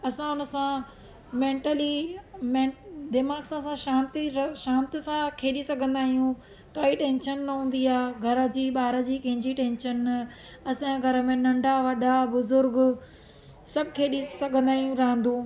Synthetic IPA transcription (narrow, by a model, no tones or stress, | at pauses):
ɐsãʊnəsã | mẽːɳʈəlimẽːd̪ɪmaːɡsãsãʃãːnt̪iɾʃãːnt̪ɪsãkʰeːɗisɐɡʱə̃nd̪aːɦijũ | kaːiʈẽːnʃənːɐɦũːn̆d̪iaːɡʱɐɾə̆d͡ʑiːɓaːɾə̆d͡ʑiːkɐ̃ɦɪ̃ɲd͡ʑiʈẽːnʃənːɐ | ɐsãɡʱɐɾə̆mẽnɐ̃ɳɖaʋɐɗabʊzʊɾɡ | sɐbʱɪkʰeːɗisɐɡʱə̃nd̪aːɦijũɾɐɦə̃nd̪ũː